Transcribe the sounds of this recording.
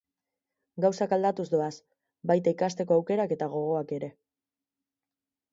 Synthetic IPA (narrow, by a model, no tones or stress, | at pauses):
ɡawsakald̪at̪uzd̪o̞as | bajt̪aikast̪e̞ko̞awke̞ɾake̞t̪aɣ̞o̞ɣ̞o̞ake̞ɾe̞